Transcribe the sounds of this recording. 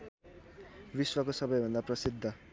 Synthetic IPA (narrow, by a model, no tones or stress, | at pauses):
biswakosʌbʌjbʱʌnd̪aprʌsid̪ʱːʌ